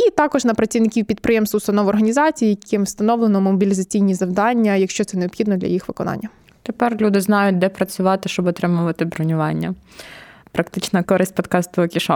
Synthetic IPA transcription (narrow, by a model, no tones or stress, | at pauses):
it̪ɑkɔʒnɐpɾɐt͡sʲiʋnɪkʲiwpʲid̪̚pɾɪjemst̪ɐʊst̪ɐnɔʋʊɔrɦɐnʲizɑt͡sʲijijkɪmwst̪ɐnɔʋlˠenɔmɔbʲilʲizɐt͡sʲijnʲizɐwd̪ɑnʲːɐjɐkʃt͡ʃɔt̪sɛneɔbpxʲid̪nɔd̪lʲɐ̰jixʋɪkɔnɑ̰nʲːɐ | t̪epɛrlʲud̪ɪznɑjʊt̚ʲd̪ɛpɾɐt͡sʲʊʋɑt̪ɪʃt͡ʃɔbɔt̪ɾɪmʊʋɐt̪ɪbɾɔnʲʊʋɑnʲːɐ | pɾɐkt̪ɪt͡ʃnɐkɔɾɪsʲt̚ʲpɔt̪kɑst̪ɔɔkʲiʃɑ